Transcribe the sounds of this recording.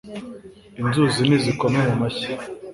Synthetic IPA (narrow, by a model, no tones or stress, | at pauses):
inzuzinizikomemumaçi